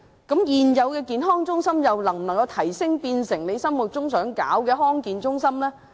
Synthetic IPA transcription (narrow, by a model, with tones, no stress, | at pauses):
kɐ˨˥mjiː˨˩njɐ˨˧wkɛː˧kiː˨nɦɔː˥ŋt͡ʃʊ˥ŋsɐ˥mjɐ˨wnɐ˨˩ŋm̩˨˩n˨˩ŋkɐ˧wt̪ʰɐ˨˩jsɪ˥ŋpiː˧nsɪ˨˩ŋle˨˧jsɐ˥mmu˨˩t̚t͡ʃʊ˥ŋsœː˨˥ŋkaː˨˥wkɛː˧ɦɔː˥ŋkiː˨nt͡sʊ˥ŋsɐ˥mlɛː˥